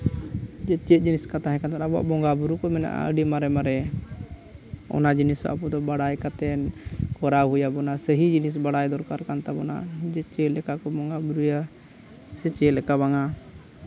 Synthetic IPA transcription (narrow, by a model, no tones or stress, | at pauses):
d͡ʒɛt͡ʃɛt̪̚ˀd͡ʒiniskat̪aɦɛ̃kant̪anabɔa̰ʔbɔŋɡabuɾukɔmɛna̰ʔa̰ə̰ɖimaɾɛmaɾɛ | ɔ̰nad͡ʒinisɔ̰ʔa̰pɔd̪ɔbaɽajkat̪ɛnkɔɾaɦujabɔnasəɦid͡ʒinis̬baɽajd̪ɔɾkaɾkant̪abɔna̰d͡ʒɛt͡ʃɛlɛkakɔbɔŋɡabuɾuja | sɛt͡ʃɛlɛkaβaŋa